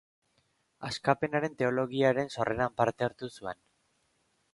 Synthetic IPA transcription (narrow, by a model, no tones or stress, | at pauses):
askape̞naɾe̞nt̪e̞o̞lo̞ɣ̞iaɾe̞nso̞rʔe̞nampaɾt̪eaɾt̪usue̞n